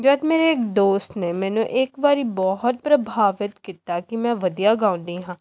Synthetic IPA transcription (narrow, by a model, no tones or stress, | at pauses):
d͡ʒəːd̪meːɾeːkd̪oːst̪neːmɛ̃ːnũʔeːkʋaːɾiːbɔːɦət̪̚pɾəbʱaːʋɪt̪kiːt̪aːkɪmɛ̃ːʋəd̪ijaːɡãːʊ̃nd̪iːɦãː